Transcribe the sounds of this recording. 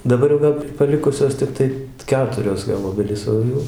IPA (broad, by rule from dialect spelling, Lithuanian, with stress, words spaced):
dɐˈbɐr jɛʊ ˈʋɐ pɐˈlʲɪkʊsʲoːs tʲɪkˈtɐɪ ˈkʲæːtʊrʲoːs ɡɐlˠ ˈoːbʲɛlʲiːs ˈoː jɛʊ